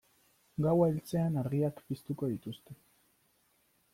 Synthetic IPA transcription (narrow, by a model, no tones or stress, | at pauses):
ɡawaelt͡se̞anaɾɣiakpist̪uko̞ðit̪ust̪e̞